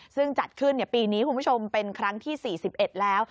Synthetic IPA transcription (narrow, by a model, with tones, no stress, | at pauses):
sɯ˥˩ŋt͡ɕa˨˩t̪̚kʰɯ˥˩nːi˥˩ɐpiː˧niː˦˥kʰu˧nmʰu˥˩t͡ɕʰo˧mpe˧nkʰɾa˦˥ŋt̪ʰiː˥˩siː˨˩si˨˩p̚ʔe˨˩t̪̚lɛː˦˥w